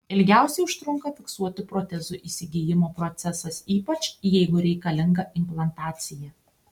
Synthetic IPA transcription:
ɪlʲɡʲæˑʊsʲɛɪʊʃt̪ɾʊŋkɐfʲɪksuɔt̪ʲɪpɾoːt̪ʲɛzʊʔiːsʲɪɡʲijɪmoːpɾot̪sʲɛsɐsiːpɐt͡ʃjɛɪɡʊɾʲɛɪkɐlʲɪŋɡɐʔɪmplˠɐnt̪ɑːt̪sʲɪjɛ

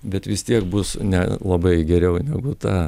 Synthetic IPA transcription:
bʲɛt̪ʋʲɪst̪ʲiɛk̚bʊsnʲɛ̰lˠɐbɐɪɡʲɛɾʲɛʊnʲɛɡʊt̪ɑː

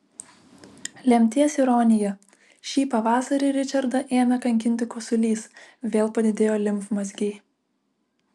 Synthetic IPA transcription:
lʲɛmʲt̪ʲiɛsɪɾɔːnʲɪjɛ | ʃʲiːpɐʋɑːsɐɾʲiɾʲɪt͡ʃʲɐɾd̪ɐʔeːnɐkɐŋʲkʲɪnʲt̪ʲɪkosʊlʲiːsʋʲeːlˠpɐd̪ʲɪd̪ʲeːjoːlʲɪmfmɐzʲɡʲɛː

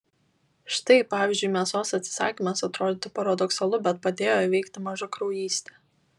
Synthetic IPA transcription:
ʃt̪ɐɪpɑːʋʲɪˑzʲd͡ʒʲʊɪmʲeɛsoːsɐt̪ʲsʲɪ̥sɑ̰ːkʲimɐsɐt̪ɾoːd̪ʲɪːt̪ɪpɐɾɐd̪ɔksɐlˠʊbʲɛt̪̚pɐd̪ʲeːjoːiʋʲɛɪkt̪ʲɪmɐʒʊkɾɔʊjiːsʲt̪ʲeː

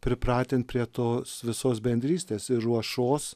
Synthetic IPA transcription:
pʲɾʲɪpɾɑːt̪ʲent̪̚pʲɾʲiɛt̪oːsʋʲɪsoːsbʲɛnʲd̪ʲɾʲiːsʲt̪ʲeːsɪɾɾuɔʃoːs

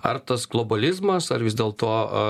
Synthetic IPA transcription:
ɐ̰rt̪ɐsɡlˠoːbɐlʲɪzmɐsɐɾʋʲɪzd̪ʲeːlˠt̪oː

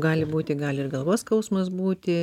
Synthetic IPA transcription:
ɡɑːlʲɪbuːt̪ʲɪɡɑːlʲɪɪrɡɐlˠʋoːskɐʊsmɐsbuːt̪ʲɪ

